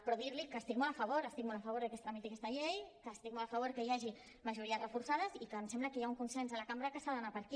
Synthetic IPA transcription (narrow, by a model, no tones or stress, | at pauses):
pɾoðiɾlikəːst̪ik̚molɐfəβ̞oɾəst̪ik̚moləfɐβ̞oɾðəkest̪ɾəmit̪iakɛst̪ɐʎejkəst̪ik̚molafəβ̞oɾkəjaʒi | məʒuɾiərəfuɾsaðəzikəmsɛmbləkəjauŋkunsenzəlakambɾəkəsaðənapəɾki